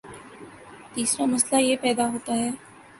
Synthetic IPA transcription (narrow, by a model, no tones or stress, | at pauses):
t̪iːsɾamɐslajepɛːd̪aɦoːt̪aɦɛː